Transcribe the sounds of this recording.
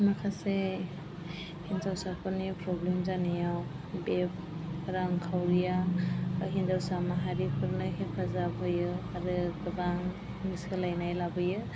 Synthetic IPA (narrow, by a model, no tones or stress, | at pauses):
makʰase | hinzawsapʰɔnipɾɔblemzanajaw | beb | ɾaŋkʰawɾija | ɦinzawsamaɦaɾikʰɯɾnɯkepʰazabɦɔjɯaɾɯɡɯɡaŋ | niskʰɯlajnajlabɯjɯ